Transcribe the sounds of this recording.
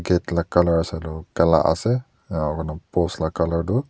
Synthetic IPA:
ɡetlakːalɔɹasɛlʊkɛla̰ʔa̰sɛ | ɔkɔnɔpɔslakːalɔɹdʊ

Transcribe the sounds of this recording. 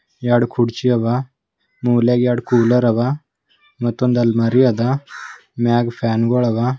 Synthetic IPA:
jaɽkʰuɽt͡ɕiaʋa | muwlaɡjaɽkuləɾaʋa | mət̪ond̪almaɾiad̪a | maɡfanɡɔɭaʋa

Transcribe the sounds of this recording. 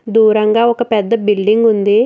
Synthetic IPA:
d̪uːɾɐŋɡaːɔkɐpɛd̪ːɐbilɖiŋɡund̪i

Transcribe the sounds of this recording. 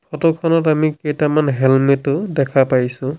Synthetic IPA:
pʰɔtɔkʰɔnɔtamiketamanɦɛlmetʊdɛkʰapajsʊ̃

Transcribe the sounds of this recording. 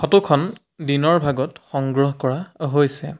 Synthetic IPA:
xɔtukʰɔn | dinɔɹbʱaɡɔtxɔŋɡɹɔɦkɔɹaɦojsɛ

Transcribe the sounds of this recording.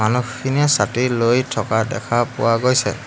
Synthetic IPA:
anuxiniasatilojtʰɔkadɛ̰kʰapʊ̰waɡojsɛ̰

